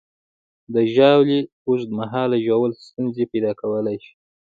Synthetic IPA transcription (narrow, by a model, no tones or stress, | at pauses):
d̪əʒɑwli | uʃd̪əmaɦɑlaʒawəlst̪unzepajd̪ɑkawəlajʃi̥